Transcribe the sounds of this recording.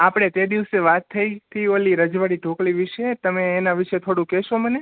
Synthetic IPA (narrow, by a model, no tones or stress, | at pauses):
apɽ̃et̪ed̪iʋseʋat̪ʰːəit̪ʰioliɾəd͡ʒʋaɽiʈokɭiʋiʃet̪əmeːnaʋiʃet̪ʰoɽũkɛʃoməne